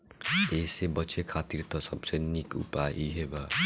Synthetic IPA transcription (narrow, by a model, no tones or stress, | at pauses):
esebʌtːt͡ʃʰekʰat̪iɾt̪ɔsʌbsenikṵpaʔiɦebʌ